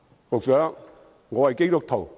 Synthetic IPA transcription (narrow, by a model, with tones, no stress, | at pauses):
fo˨˩k̚sœː˨˥ | ŋɔː˨˧hɐ˨jke˥jt̪ʊ˨k̚t̪ʰo˨˩w